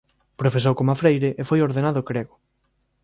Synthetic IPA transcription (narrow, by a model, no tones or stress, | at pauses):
pɾofes̬owkomafɾejɾeʔefojoɾðenaðʊkɾeɣʊ